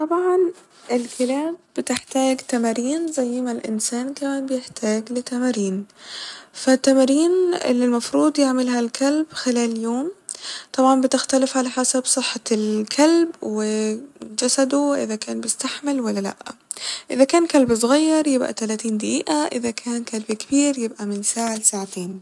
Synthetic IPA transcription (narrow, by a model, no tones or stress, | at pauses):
t̪ˤɑbʕɑn | ʔɪlkɪlaːb̚ːɪt̪ɪħt̪aːɡt̪amaɾiːnzajːɪmalʔɪ̰nsaːnkamaːnbɪjɪħt̪ʰaːɡlɪt̪amaɾiːn | fat̪ːamaɾiːnʔɪ̰lːilmɑfɾuːd̪ˤjɪʕmɪlhalkʰalbxɪlaːljoːmt̪ˤɑbʕɑnbɪt̪ɪxt̪alɪfʕalaħasabsˤɨħːalkʰalbwɪd͡ʒasad̪uʔɪ̰ðakaːnbɪst̪aħmɪlwalːala̰ʔʔɪðakaːnkalbsˤɣɑjːɑɾˤjɪbʔa̰t̪alaːt̪iːnd̪aʔiːʔaʔɪðakʰaːnkalbkɪbiːɾjɪbʔamɪnsaːʕalsaːʕat̪eːn